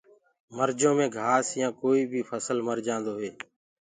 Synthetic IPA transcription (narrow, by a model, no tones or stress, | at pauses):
məɾd͡ʒõːmẽːɡʱaːsjãːkoːiːbʱiːpʰəsəlməɾd͡ʒãːnd̪oːɦeː